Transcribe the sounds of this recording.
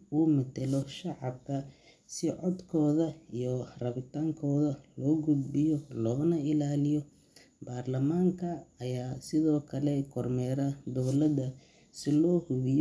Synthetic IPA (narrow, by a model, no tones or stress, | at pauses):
uːmɪd̪ɛlɔʃɑʕɑbkʰɐ | sɪʕɔd̪kʰɔːðɐijɔrɐβɪt̪ʰaːŋkʰɔːðɐlɔːɡʊd̪bɪjɔlɔːnɐɪlaːlɪjɔ | b̥aːrlɐmaːŋkʰɐːjaːsɪðɔːkʰɐlɛkʰɔrmɛːɾɐd̪ɔwlɐd̪ɐ | sɪlɔːhʊɣɪj